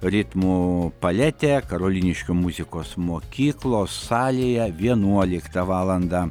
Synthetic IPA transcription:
ɾʲɪt̪muːpɐlʲæt̪ʲekɐɾoːlʲiːnʲɪʃʲkʲoːmʊzʲɪkoːsmoːkʲiːklˠoːsːɑːlʲeːjɛʋʲiɛnuɔlʲɪkt̪ɐʋɑːlˠɐnd̪ɑ

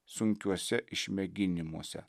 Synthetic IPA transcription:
sʊŋʲkʲuɔsʲɛʔɪʃʲmʲɛɡʲɪnʲɪmuɔsʲɛ̰

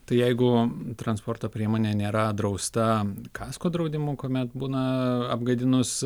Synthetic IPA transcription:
t̪ɐɪjɛɪɡʊt̪ɾɐnspoːrt̪oːpʲɾʲiɛmoːnʲeːnʲeːɾɐd̪ɾɐʊst̪ɐkʰɑːskoːd̪ɾɐʊd̪ʲɪmʊkoːmʲɛt̪buːnɐɐbɡɐd̪ʲɪnʊs

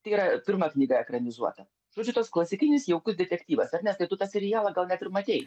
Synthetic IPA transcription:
t̪ɐɪiːɾɐpʲɪɾmɐknʲiːɡɐɛkɾɐnʲɪzuɔt̪ɐ | ʒ̥oɔd͡ʒʲʊt̪oːsklˠɐsʲɪkʲɪnʲɪsjɛʊkʊsd̪ʲɛt̪ʲɛkt̪ʲiːʋɐsɐɾnʲɛst̪ɐɪt̪ʊt̪ɑsʲɛɾʲɪjæːlˠɐɡɐlˠnʲɛæt̪ʲɪɾmɐt̪ʲeɪ

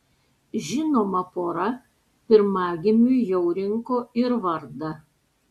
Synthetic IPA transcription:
ʒʲɪnoːmɐpoːɾɐ | pʲɪɾmɑːɡʲɪmʲujɛʊɾʲɪŋkoːɪɾʋɐɾd̪ɐ

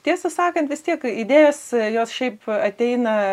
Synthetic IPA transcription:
t̪ʲiɛsɐsɑːkɐnt̪ʋʲɪst̪ʲiɛkid̪ʲeːjoːsjoːsʃʲɛɪpɐt̪ʲɛɪnɐ

